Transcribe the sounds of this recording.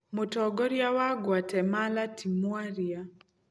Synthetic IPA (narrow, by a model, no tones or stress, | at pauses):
motɔɡɔɾjawaɡwatɛmalatimwaɾia